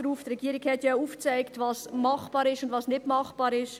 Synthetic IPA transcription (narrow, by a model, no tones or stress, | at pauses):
ɾuːftrɛɡiːəɾɪkhɛtjɑuːft͡saɪktvɑsmɑχb̥ɑːɾɪʃʊndvɑsnɪtmɑχb̥ɑːɾɪʃ